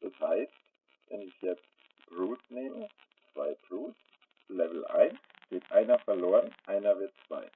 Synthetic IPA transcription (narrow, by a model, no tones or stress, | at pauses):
d̥ɛshaɪst | vɛ̰nɪçjɛt͡st | ʁuːtneːmə | t͡sv̥aɪbʁuːs | lɛvl̩ʔa̰ɪnsɡ̥eːtʔaɪnɐfɛɐloːʁənʔaɪnɐvɪɐtt͡sv̥a̰ɪ